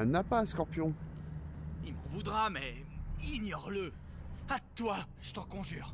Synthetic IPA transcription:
ɛnapaːskɔʁpjɔ̃ | ilmɑ̰̃vud̪ʁamɛiɲjɔʁlə | at̪wa | ʒ̥ət̪ɑ̃kɔ̃ʒyːʁ

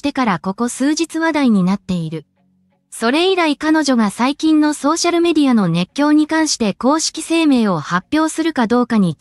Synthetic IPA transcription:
t̪e̞kaɾako̞ko̞sɨːʑit͡sɨβad̪aiɲ̟inat̪ːe̞iɾɯ̟ | so̞ɾe̞iɾaikano̞ʑo̞ɡasaikʲĩnːo̞so̞ːɕaɾɯ̟me̞d̪ʲiano̞ne̞kʲːjo̞ːɲ̟ikãɰ̃ɕi̥t̪e̞ko̞ːɕi̥kʲi̥se̞ːme̞ːo̞hapʲːjo̞ːsɨɾɯ̟kad̪o̞ːkaɲ̟i

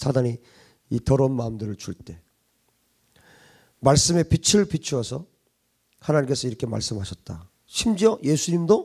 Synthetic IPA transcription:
sʰadaɲi | itʌɾʌunmaɯmdɯɾɯɭt͡ɕuɭt͈e̞ | maɭs͈ɯme̞pit͡ɕʰiɾɯɭpit͡ɕʰuwʌsʰʌ | hanaɲimk͈e̞sʰʌiɾʌkʰe̞ma̰ɭs͈ɯmɦaɕʰʌt̚t͈a | ɕʰimd͡ʑiʌje̞sʰuɲimdo

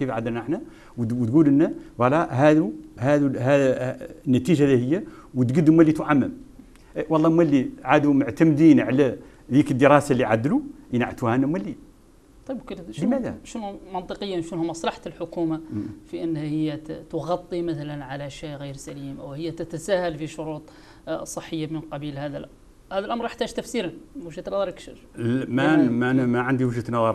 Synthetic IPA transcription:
kifʕad̪ːəlnəħnæ | wwt̪ɡulənːæwɑlːɑɦæd̪uhæd̪uɦæ | nːæt̪iʒalihəjːæwət̪ɡəd̪umːælːit̪uʕamːəm | ʔwɑlˤːɑmwælːiʕad̪umoʕt̪æmd̪inʕalæ | d̪ikəd̪ːəɾˤɑsalːiʕad̪luʔənʕat̪uhænːæmwælːi | t̪ˤɑjbkləmæd̪æ̰ʃnʊmɑnt̪ˤəqəjːanʃnhʊmːɑsˤlɑħt̪lħʊkumafiʔənːhæhəjːæt̪ʊɣɑt̪ˤːimət̪ælænʕalæʃiʔɣijɾsælimʔəwhəjːæt̪ət̪æsæhælfiʃʊɾut̪ˤ | sˤəħːəjːamənqɑbilhæd̪æl | hæd̪ælʔɑmɾjəħt̪æʒt̪æfsiɾanwəʒæt̪nɑðˤɑɾˤəkʃəɾmæmænmæʕənd̪iwəʒət̪nɑðˤɑɾˤ

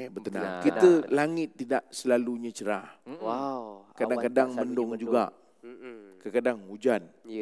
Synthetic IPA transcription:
bət̪əna̰ŋkit̪əlaŋɪt̪ːidaʔsəlaluɲãt͡ʃəɾah | kadaŋkadaŋməndʊŋd͡ʒuɡa̰ʔ | kəkadaŋud͡ʒan

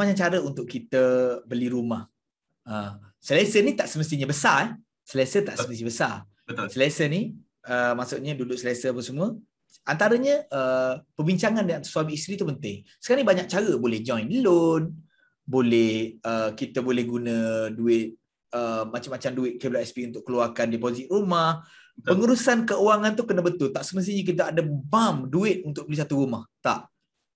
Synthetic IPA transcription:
mat͡ʃaŋt͡ʃaɾəunt̪ʊʔkit̪əbəliɾumah | əsəlesənit̪aʔsəməst̪iɲabəsaɛh | səlesət̪aʔsəməst̪ibəsa | səlesəni | əmasuʔɲədudʊʔsəlesəapəsəmuə | ant̪aɾəɲəʔəpərbiɲt͡ʃaŋandəŋansuamiːst̪ɾit̪upənt̪ɪŋsə̥kanibaɲak̚t͡ʃaɾəbolɛhd͡ʒɔ̃jnlon | bolɛhəkit̪əbolɛhɡunə̃duɪt̪̚ | əmat͡ʃamːat͡ʃamduɪt̪̚kəlaɛspiunt̪ʊʔkəluarkandipozit̪̚rumah | ppəŋuɾusankəuwaŋant̪ukənəbət̪ʊlt̪aʔsəməs̬iɲik̬it̪̬aadəbamduɪt̪̚ʔunt̪ʊk̚bəlis̬at̪uɾumaht̪a̰ʔ

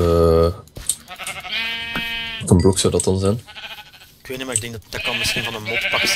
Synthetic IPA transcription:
ə | kənblɔksɔwdɑt̚ɑnzɛn | kyənemaːɪɡdɛŋɡ̚dd̥akɑnmɪsxinvɑnənmotpɑks

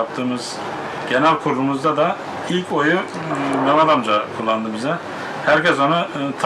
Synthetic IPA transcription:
p̚t̪ʰɯːmɯz̥ | ɟ̥enælʲkʰuɾlˠumuzd̪ad̪a | ilʲco̞ju | mɛnad̪amd͡ʒakʰulˠːand̪ɯbizɛ | hæɾcɛsonɯt̪ʰ

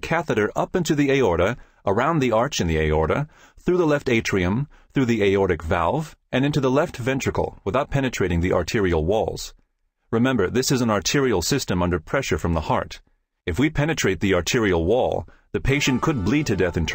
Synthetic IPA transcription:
kʰæθɨɾə˞ʔʌpɪ̃ntʉðieɪɔɹɾɨ | ʔə˞ãʊ̃nðiɑɹt͡ʃɨ̃nðieɪɔɹɾɨ | θɹʉðəlɛfteɪt͡ʃʰɹ̥iɨ̃m | θɹʉðieɪɔɹɾɨkvæ̰lˠvʔɨ̃nɪ̃ntʉðəlɛftvɛ̃nt͡ʃɹ̥ɨkl̩ˠwəθaʊt̚pʰɛñɨtɹ̥eɪɾɪ̃ŋðiʔɑ̰ɹtʰɪɹil̩ˠwɔ̰lˠz̥ | ɹɨmɛ̃mbə˞ðɪsɨz̃n̩ɑɹtʰɪɹil̩ˠsɪstɨ̃mʌ̃ndə˞pʰɹ̥ɛʃə˞fɹʌ̃mðəhɑ̰ɹɾ | ɨfwipʰɛñɨtʰɹ̥eɪt̪̚ðiɑɹtʰɪɹil̩ˠwɔ̰lˠ | ðɨpʰeɪʃɨ̃nkʰɨd̚blid̚tʰɨdɛθɨ̃ntʰ

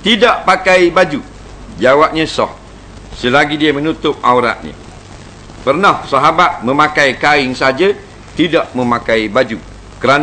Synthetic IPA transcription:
t̪idaʔpakajbad͡ʒu | d͡ʒawap̚ɲəsɔ̰h | səlaɡidiəmə̃nut̪ʊp̚auɾa̰ʔ̪̚ɲə̰̃ | pərnahsaɦabat̪̚mə̃makajkaɪŋsd͡ʒə | t̪idaʔməmakaibad͡ʒu | kəɾan

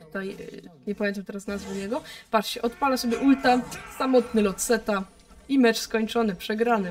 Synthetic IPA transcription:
t̪ut̪ajɲɛpamʲjɛnt̪amt̪ɛɾasnazvuɲɛɡɔpat͡ʂɕɛʔɔt̪palasɔbʲjɛʔult̪asamɔt̪nɘlɔt̪sɛt̪a | imɛt͡ʂskɔɲt͡ʂɔnɘpʂɛɡɾanɘ

